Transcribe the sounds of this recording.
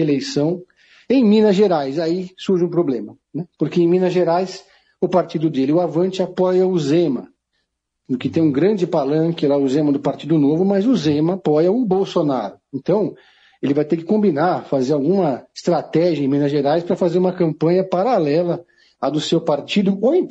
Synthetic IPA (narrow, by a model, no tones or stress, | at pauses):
elejsɐ̃w̃ | ẽj̃mĩnɐzʒeɾajsaisuɾʒɪũpɾoblẽmɐnɛpoɾkeẽj̃mĩnɐzʒeɾajs | ʊpaɾt͡ʃid̪ʊd̪elɪʊavɐ̃nt͡ʃɪapɔjɐʊzẽmɐ | d̪ʊkɪt̪ẽj̃ũɡɾɐ̃nd͡ʒɪpalɐ̃kɪlaʊzẽmɐd̪ʊpaɾt͡ʃid̪ʊnovʊmɐzʊzẽmɐːpɔjɐʊbowsonaɾʊẽnt̪ɐ̃w̃ | elɪvajt̪eɾkɪ̥kõbinaɾfazeɾawɡũmɐɪst̪ɾat̪ɛʒiɐẽj̃mĩnɐʒeɾajspɾɐfazeɾũmɐkɐ̃mpɐ̃ɲɐpaɾalɛlɐ | ad̪ʊsewpaɾt͡ʃid̪ʊõ